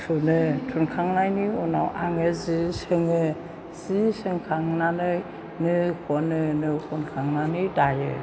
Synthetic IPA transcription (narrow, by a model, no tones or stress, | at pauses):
sunɯtʰunkʰaŋnajniunawʔaŋɯzisɯŋɯ | zisɯŋkʰaŋnanɯj | nɯkʰɔnɯnɯkʰunkʰaŋnanɯjdajɯ̰